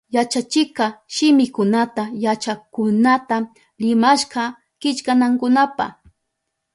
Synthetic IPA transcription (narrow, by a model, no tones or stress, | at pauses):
jat͡ʃat͡ʃɪkɑʃɪmɪkʊnat̪ajat͡ʃakʊnat̪a | ɾɪmaʃkɑ | kɪt͡ʃkanaŋkʊnapa̰